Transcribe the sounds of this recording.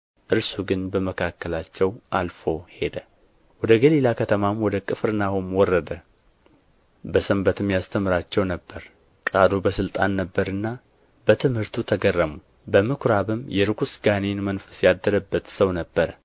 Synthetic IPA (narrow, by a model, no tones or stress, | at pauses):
ʔɨɾsuɡɨnbəməkʰakːəlat͡ʃːɛwʔalfo̞hed̪ə | wɔd̪əɡəlilakʰət̪ʰəmamwɔd̪əkʼɨfɨɾnahumwɔrːəd̪ə | bəsəmbət̪ʰɨmjast̪ʰəmɨɾat͡ʃːɛwnəbːəɾ | kʼad̪obəsɨlt̪ʼanːəbːəɾɨnːa | bət̪ʰɨmhɨɾt̪ʰut̪ʰəɡərːəmu | bəmɨkʷʰɾaβɨmjɛɾɨkʷusɡanenmənfə̥sjad̪ːəɾəbːət̪səwnəbːəɾə